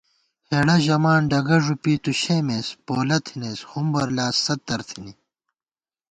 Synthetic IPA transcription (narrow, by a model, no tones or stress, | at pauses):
heːɽɐʑɐmaːnɖɐɡɐʐupiːt̪uɕeːmespoːlɐt̪ʰineːshumbɐɾlaːsːɐt̪ːɐɾt̪ʰini